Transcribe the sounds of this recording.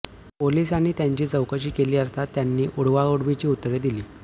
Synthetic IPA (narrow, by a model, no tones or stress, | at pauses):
polisaɽ̃iːt̪jaɲt͡ɕiːt͡səwkəɕiːkeliːəst̪at̪ːjanːiːʔuɽ̤ʋauɽʋit͡ɕiːut̪ːɾed̪iliː